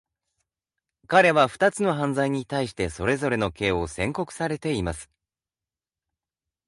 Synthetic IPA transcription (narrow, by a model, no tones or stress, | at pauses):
kaɾe̞βaɸɯ̟̥t̪at͡sɨno̞ɦãnd͡zaiɲ̟it̪aiɕi̥t̪e̞so̞ɾe̞zo̞ɾe̞no̞ke̞ːo̞sẽ̞ŋko̞kɯ̟̥saɾe̞t̪e̞imasɨ̥